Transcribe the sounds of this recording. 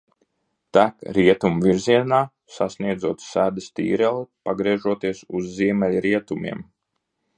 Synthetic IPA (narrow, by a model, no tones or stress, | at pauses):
t̪ækɾiɛt̪umviɾziɛnaː | sasniɛd̪zuɔt̪sæːd̪ɪst̪ḭːɾɛlˠipaɡɾiɛʒuɔt̪iɛsuzːiɛmʲɛlʲɾiɛt̪umḭɛm